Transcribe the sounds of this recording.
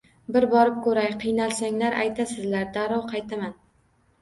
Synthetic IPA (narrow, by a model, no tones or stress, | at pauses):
bɪɾbɒɾɪp̚kʰɵɾajqʰɨjnalˠsaŋlaɾʔa̰jt̪ʰasɪzlaɾd̪aɾɒwqʰɑjt̪ʰaman